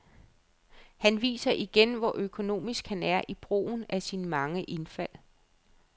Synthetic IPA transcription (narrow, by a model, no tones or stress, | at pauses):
hænʋḭːsɐʔiɡ̥enʋɒʔøkʰo̝no̝̰ːmisɡ̥hænæɐʔib̥ʁo̝̰ːʊn̩æsinmɑ̈ŋəʔe̝nfæl̰